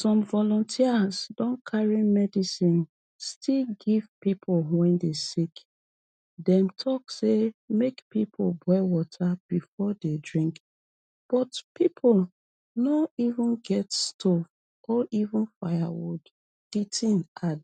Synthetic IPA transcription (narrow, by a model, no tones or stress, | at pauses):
sɔ̃mvɔlɔ̃ntʰiasdɔ̃nkʰaɹimɛdisĩn | stʰilɡiv̥pipʰolwɛ̃ndesik | dɛ̃mtʰɔksemekpipʰolbwɛwɔtʰab̥ifɔdedɹĩŋk | b̥ɔtpipʰol | nɔivũnɡɛtstʰov | ʔɔʔivũnfaja̰wṵd | itʰĩnʔad